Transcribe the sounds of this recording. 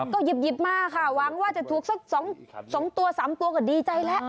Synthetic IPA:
kɔ˧˩ji˨˩p̚ji˨˩p̚maː˧kʰaː˧˩wa˨˩˦ŋwaː˧˩t͡ɕa˨˩t̪ʰu˨˩ək̚sa˦˥k̚sɔ˨˩˦ŋsɔː˨˩˦ŋt̪u˧ɐsaː˩˦mt̪u˧ɐkɔː˧˩diː˧t͡ɕa˧jlɛ˦˥ʔ

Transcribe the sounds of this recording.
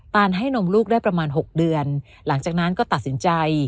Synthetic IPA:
t̪aː˧nɦa˥˩jno˧mluː˥˩k̚daː˥˩jpɾa˧maː˧nɦo˨˩k̚dɯ˧ən | la˩˦ŋt͡ɕaː˨˩k̚na˦˥nkɔː˥˩t̪a˨˩t̪̚si˩˦nt͡ɕa˧j

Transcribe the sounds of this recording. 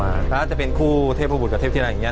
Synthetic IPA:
maː˧t̪ːt͡ɕa˨˩pe˧nkʰuː˥˩t̪ʰe˥˩p̚ʰːu˥˩b̚ka˧t̪ʰeː˥˩t̪ʰːa˧˥˩ni˦˥

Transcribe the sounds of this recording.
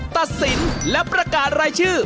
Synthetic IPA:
t̪a˨˩t̪̚si˩˦nlɛ˦˥pɾa˧kaː˨˩n̚ɾaː˧jt͡ɕʰɯː˥˩

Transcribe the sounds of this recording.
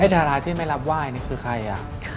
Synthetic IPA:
a˥˩d̪ʰaː˧˩ɾaː˧t̪ʰiː˥˩ma˥˩jla˦˥p̚waː˥˩jnaː˦˥˩kʰɯː˧kʰa˧jʔa̰˨˩

